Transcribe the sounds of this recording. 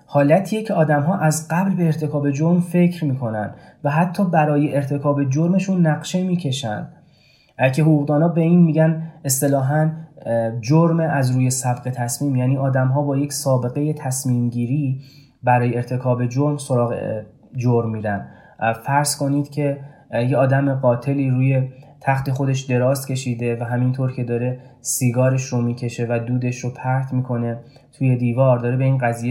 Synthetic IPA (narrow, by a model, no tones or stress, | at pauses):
hɒːlæt̪ʰiːjecʰe̞ɒːd̪æmɦɒːʔæzɢæblbeːɾt̪ʰe̞kʰɒːbe̞d͡ʒoɾmfe̞cʰɾmiːkʰo̞næ̰nd̪væɦæt̪ʰːɒːbæɾɒːjeʔeɾt̪ʰe̞kʰɒːbe̞d͡ʒoɾme̞ʃunːæɣʃe̞miːcʰe̞ʃæ̰nd̪̥ | cʰe̞ɦouːɣd̪ɒːnɒːbe̞iːnmiːɟæne̞st̪e̞lɒːɦæn | d͡ʒoɾmeæzɾuːje̞sæbɢe̞t̪ʰæsmiːmjæːniːɒːd̪æmɦɒːbɒːje̞csɒːbe̞ɣe̞je̞t̪ʰæsmiːmɟiːɾiː | bæɾɒːjeːɾt̪ʰe̞kʰɒːbe̞d͡ʒoɾmso̞ɾɒːɣe | d͡ʒoɾmːiːɾæn | fæɾz̥ko̞niːd̪cʰe̞jeɒːd̪æmeɢɒːt̪ʰe̞liːɾuːje̞t̪ʰæxt̪e̞xo̞d̪e̞ʃd̪e̞ɾɒːst̪cʲe̞ʃiːd̪e̞væɦæmint̪ʰoɾcʰe̞d̪ɒːɾe̞siːɡɒːɾe̞ʃromiːcʰe̞ʃevæd̪uːd̪e̞ʃɾopʰæɾt̪ʰmiːkʰo̞ne̞ | t̪ʰuːje̞d̪iːvɒːɾd̪ɒːɾe̞be̞iːnɢæziːje